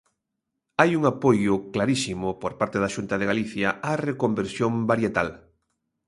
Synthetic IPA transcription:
ajuŋapojʊklaɾisimʊpoɾpaɾt̪eðaʃunt̪ɐðeɣaliθjɐarekombeɾsjombaɾjet̪al

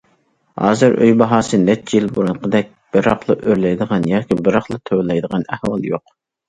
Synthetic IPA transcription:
hɑ̰ːzɨɾʔø̰jbɑɦɑːsɨnɛt͡ʃt͡ʃːʰijilbuɾunqʰəd̪ɛk̚ʲb̥ɨɾɑχlˠɨʔøɾlɛjd̪əʁɑnjɑːkʲʰibɨɾɑχlˠɨt̪ʰøwlˠɛjd̪əʁɑnæhwɑ̰lˠjoq

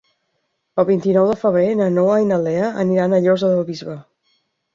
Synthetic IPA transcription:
əlˠβint̪inɔwðəfəβɾenənɔwajnəlɛəʔəniɾanəʎɔzəðəlˠβizβə

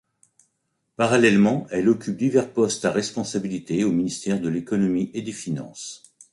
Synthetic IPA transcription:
paʁalɛlmɑ̃ɛlɔkʲyp̚d̪ivɛʁpɔst̪aʁɛspɔ̃sabilit̪eominist̪ɛʁd̪əlekɔnɔmiʔed̪efinɑ̰̃s

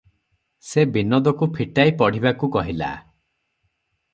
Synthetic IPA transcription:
sebinɔd̪ɔkupʰiʈajpɔɽ̤ibakukɔɦila̰

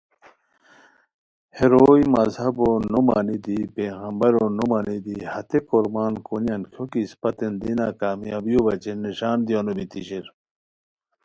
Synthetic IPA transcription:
heɾoːimɐzhɐbonuma̰ːnid̪ipeːɣɐmbɐɾonomanid̪ihɐt̪ekoɾmaːnkonjɐnkʰokispɐt̪end̪inaːkaːmijaːbijobɐt͡ɕenːiɕaːnd̪ijonobit̪iɕiɾ

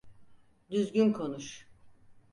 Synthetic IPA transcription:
d̪yzɟynkʰo̞nuʃ

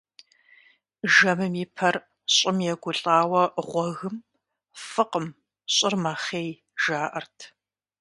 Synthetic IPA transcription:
ʒɐmɨmipʰɐr | ɕʼɪmjɛɡʷʊɬʼaːwɐʁʷɔɣɨm | fɨqəm | ɕʼɪrmaχeːj | ʒ̥aːʔɐrtʰ

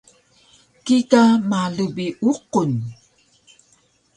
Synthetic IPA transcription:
kikamaɮubiʔuqun

